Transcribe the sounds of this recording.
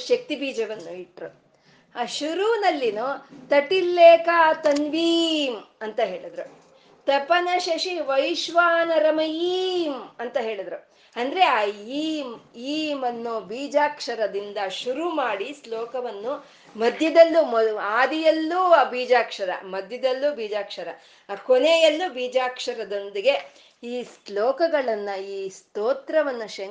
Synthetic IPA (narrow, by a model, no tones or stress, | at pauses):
ʃɐk̚t̪ibiːd͡ʒɐʋɐnːuiʈɾu | aːʃuɾunɐlːinut̪ɐʈːilːeːkaːt̪ɐnʋiːmɐnt̪ɐɦe̞ːɭid̪ɾu | t̪ɐpɐnɐʃɐʃiʋɐjʃʋaːnɐɾɐmɐjiːmɐnt̪ɐɦe̞ːɭid̪ɾu | ɐnd̪ɐɾeaiːmiːmɐnːubiːd͡ʒaːkʂɐɾɐd̪ind̪ɐʃuɾumaːɽislɔːkɐʋɐnːu | mɐd̪ʱjɐd̪ɐlːumaːd̪ijɐlːubiːd͡ʒaːkʂɐɾɐ̰mɐd̪ʱjɐd̪ɐlːubiːd͡ʒaːkʂɐɾɐ | koneːjɐlːubiːd͡ʒaːkʂɐɾɐd̪o̞nd̪iɡe̞ | iːsloːkɐɡɐɭɐnːɐiːst̪oːt̪ɾɐʋɐnːuʃɐ